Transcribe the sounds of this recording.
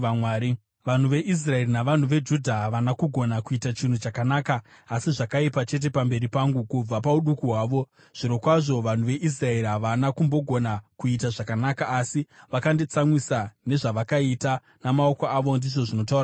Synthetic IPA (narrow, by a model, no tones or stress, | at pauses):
amwaːɾi | ʋan̤uʋe̞ʔis̬rae̞rinaʋan̤uʋe̞d͡ʒudʱaɦʋanakuɡʱo̞nakuitat͡ʃin̤ut͡ʃakanaːkaː | siʐakaipat͡ʃe̞t̬e̞pambe̞ɾipaŋɡukub͡vapauɗukuɦwaːʋo̞ | ʐ̥iɾo̞kwaʐo̞ʋan̤uʋe̞ʔis̬rae̞ɾiɦaʋanakumbo̞ɡʱo̞nakuit̬aʐakanakaːsiʋakandet͡samwisane̞ʐaʋakaita | namao̞koaʋo̞ndiʐo̞ʐino̞taura